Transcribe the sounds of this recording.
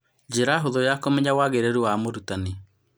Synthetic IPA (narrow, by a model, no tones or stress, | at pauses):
d͡ʑeɾaɦoðojakomɛɲawaɣeɾeɾuwamoɾutane